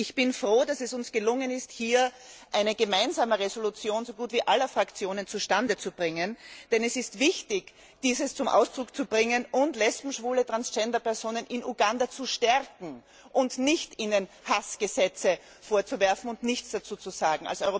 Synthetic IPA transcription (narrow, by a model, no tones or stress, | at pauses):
ɪçb̥ɪnfʁoːdasɛsʊnsɡ̥əlʊŋənɪsthiːɐʔæɪnəɡəmaɪnzaːməʁezolut͡sjoːnzoɡuːtv̥iːʔalɐfʁ̥akt͡sjoːnənt͡suʃtandət͡sub̥ʁɪŋənd̥ɛnɛsɪstvɪçtɪç | d̥iːzəst͡sʊmʔa̰ʊsd̥ʁʊkt͡subʁɪŋənʊntlɛspm̩ʃv̥uːlətʁ̥ansd͡ʒɛndɐpɛɐzoːnənʔɪnuɡandat͡suʃtɛʁkŋ̩ | ʔʊndnɪçtiːnənhasɡ̥əzɛt͡sə | foːɐt͡suvɛɐfn̩ʊntnɪçt͡sd̥at͡suːt͡suzaːɡŋ̩a̰lsɔʏʁo